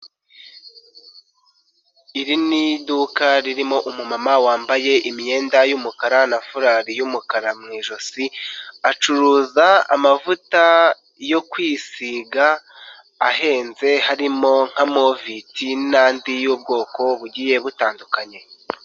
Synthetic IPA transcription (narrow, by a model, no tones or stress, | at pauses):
iɾinidukaɾiɾimo̞ʔumumamawaːmbaje̞ʔimije̞ːndajumukaɾanafuɾaːɾijumukaɾamŋiːʒosiat͡ʃuɾuːzaa̰mavuta | jo̞kwiːsiɡaː | ɦe̞ːnze̞haɾimo̞ŋ̥hamo̞vitinaːndijub̚ɡo̞ːko̞βuɟiːje̞βutaːndukaɲe̞